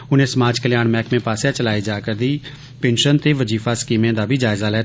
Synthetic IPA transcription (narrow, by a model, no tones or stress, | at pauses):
ʊnẽːsəmaːd͡ʒkəlɪjaːnmɛːkmẽːpaːsjaːt͡ʃəlaːiːd͡ʒaːkəɾd̪iː | pẽːnʃənt̪eːʋəd͡ʒiːfaːskiːmẽːd̪aːbʱiːd͡ʒaːɪzaːlɛː